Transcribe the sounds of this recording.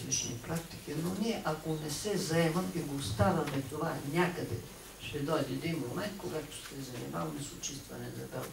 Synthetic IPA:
it͡ʃnipɾak̚t̪i̥kinoniɛʔakonɛsɛzɐɛmɐmiɡoːst̪avɐmɛt̪ovanʲakɐd̪ɛ̰ | ʃɛd̪ɔjd̪ied̪inmomɛnt̪̚koɡat̪o̥sɛzɐnḭma̰vˠmɛsot͡ʃist̪vɐ̰nɛzɐ̰bɛlˠ

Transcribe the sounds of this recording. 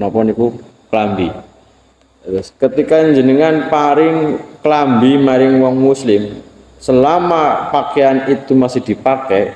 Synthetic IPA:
nɔpɔniku | klambi | ɾʊskət̪ikaɲd͡ʒənəŋanpaɾɪŋklambimaɾɪŋwɔŋmuslɪm | səlamapakeanit̪umasɪhd̪̥i̤pakɛ

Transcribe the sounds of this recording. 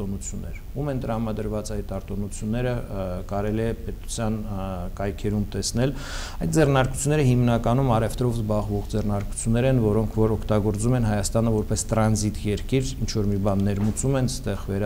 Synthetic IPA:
ɔnut͡sʰjunːɛ̰ɾ | umɛnt̪əɾɑmɑd̪əɾvɑt͡sɑjt̪ɑɾt̪ɔnut͡sʰjunːɛɾəkɑɾɛliɛpɛt̪u̥t͡sʰjɑnkɑjkʰɛɾumt̪ɛsn̪ɛl | ɑjt̪̚d͡zɛrnɑɾku̥t͡sʰjunːɛɾəhimnɑkɑnumɑɾɛft̪ɾɔvzbɑʁvɔʁd͡zɛrnɑɾku̥t͡sʰjunːɛɾɛnvɔɾɔŋkʰvɔɾɔkʰt̪ɑɡɔɾt͡sumɛnɦɑjɑst̪ɑnəvɔɾpɛst̪ɾɑnzit̪jɛɾkiɾint͡ʃʰvɔɾmibɑnːɛɾmut͡sumɛnst̪ɛʁvɛɾ

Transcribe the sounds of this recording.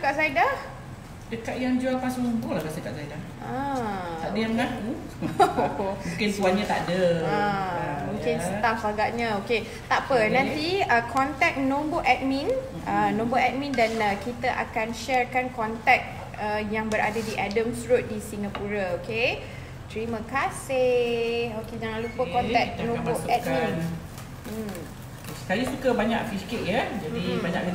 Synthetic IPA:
əkaʔsaidah | dəkat̪̚jaŋd͡ʒualpasʊumbolahɡasəkaʔsaidah | at̪aʔdəjaŋnaku | omũŋkɪnsuaɲãt̪aʔdəamũŋkɪnsət̪aʔsaɡaʔɲãoke | t̪aʔpənãnt̪iəkʰɔnt̪ɛk̚nõmboʔɛt̪̚mĩn | ənõmboʔɛt̪̚mĩndanəkit̪əʔa̰kanʃɛrkankɔnt̪ɛk̚ | əjaŋbəɾa̰dadiʔadəmsɾut̪̚disiŋapuɾaoke | t̪əɾimə̃kase | oked͡ʒaŋãnlupəkɔnt̪ɛk̚nõboʔɛt̪̚mĩn̩ | sajisukəbaɲaʔfiskɪʔjad͡ʒadibaɲãkkə

